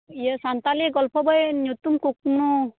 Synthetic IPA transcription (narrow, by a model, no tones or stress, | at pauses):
ijəsant̪aliɡɔlpʰɔbajɲut̪umkuk̚mnu